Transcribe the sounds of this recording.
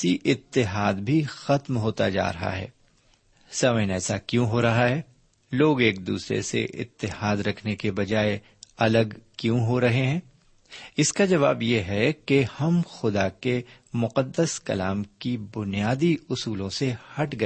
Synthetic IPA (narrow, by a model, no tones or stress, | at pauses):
iʔɪt̪ːɪɦaːd̪bʱixɐt̪mɦoːt̪a̰d͡ʒa̰ːɾɐɦa̰ɦɛ̰ː | sɐməjənɛːsakjũɦoɾɐɦaɦɛː | loːɡeːk̚d̪ṵːsɾḛsḛʔɪ̰t̪ːɪhaːd̪ɾɐkʰnekebɐd͡ʒaːe | ɐləɡkjũɦoɾɐɦeɦɛ̃ː | ɪskad͡ʒɐʋa̰ːbjeɦɛkehɐmxʊd̪ake | mʊqəd̪ːəskɐ̰laːmkibʊnijaːd̪iʊsuːlõsehɐʈʰɡɐ